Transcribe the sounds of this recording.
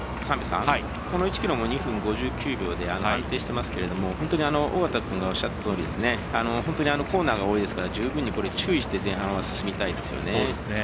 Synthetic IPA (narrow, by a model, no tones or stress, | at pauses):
sãmbʲisã̰ai | ko̞no̞it͡ɕi̥kʲiɾo̞mo̞ɲ̟iɸɯ̟̃ŋɡo̞ʑɨːkʲʰɨːbʲo̞ːd̪e̞anoãnt̪e̞ːɕi̥t̪e̞masɨ̥ke̞ɾe̞d̪o̞mo̞hõnt̪o̞ɲ̟iano̞ʔoɡat̪akɯ̟̃ŋɡao̞ɕːat̪ːat̪ːt̪oːɾḭd̪e̞sɨne̞ | ano̞hont̪o̞ɲ̟iano̞ko̞ːnaːɡao̞ːid̪e̞sɨ̥kaɾad͡ʑɨːbɯ̟̃ɲ̟ːiko̞ɾe̞t͡ɕɨːiɕi̥t̪e̞zẽ̞ɰ̃ɦãɰ̃βasɨ̥sɨmʲit̪aid̪e̞sɨ̰jo̰nene